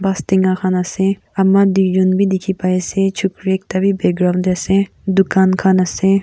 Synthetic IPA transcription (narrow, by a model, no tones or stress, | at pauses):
bast̪iŋɡakʰanase | ɐmːad̪ikd͡ʒonbʱid̪ikʰipaeset͡ʃʰukɾek̚t̪abʱibeɡɾawnd̪ɛse | d̪ukaːnkʰanase